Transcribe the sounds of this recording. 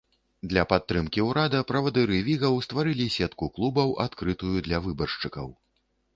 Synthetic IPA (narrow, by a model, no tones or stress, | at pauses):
d̪lʲɐpat̪ːɾɨmkʲiwɾad̪ɐpɾɐvɐd̪ɨɾɨvʲiɣɐwst̪vaɾɨlʲisʲɛt̪kuklˠubɐwa̰t̪kɾɨt̪ujud̪lʲɐvɨbɐrʂt͡ʂɨkɐ̰w